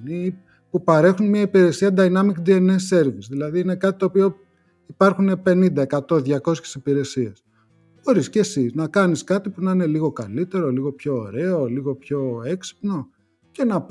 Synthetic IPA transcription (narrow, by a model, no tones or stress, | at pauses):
ni | pupɐɾe̞xunmiɐipiɾe̞siɐd̪ɐjnɐmikd̪ie̞nese̞ɾvisðilɐðiine̞kɐt̪i̥t̪o̞ːpio | ipɐɾxune̞pe̞nind̪ɐe̞kɐt̪o̞ðʝɐko̞sçesipiɾe̞sie̞s | xo̞ɾisce̞sinɐkɐniskɐt̪ipunɐine̞liɣo̞kɐ̰lit̪e̞ɾo̞liɣo̞pço̞ːɾe̞o̞liɣo̞pço̞e̞ksi̥pno̞ | ce̞nɐp